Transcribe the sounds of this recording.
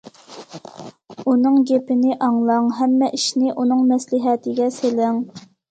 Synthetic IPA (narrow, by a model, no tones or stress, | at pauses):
unɨŋɡʲepɪnɪʔɑŋlˠɑŋɦɛmːɛʔiʃnɪʔunɨŋmɛslɪɦɛt̪ʰɪɡʲɛselɪŋ